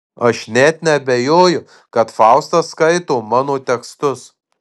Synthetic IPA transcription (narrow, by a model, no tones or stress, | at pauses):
ɐʃnʲɛt̪nʲɛɐbʲɛjoːjʊ | kɐt̪fɑʊst̪ɐskɐɪt̪oːmɑːnoːt̪ʲɛkst̪ʊs